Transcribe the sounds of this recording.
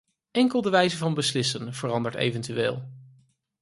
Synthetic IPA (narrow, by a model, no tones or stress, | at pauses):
ɛŋkəlˠdəʋɛjzəvɑnbəslɪsənv̥ərɑndəɹtḛjvəntyʋḛːlˠ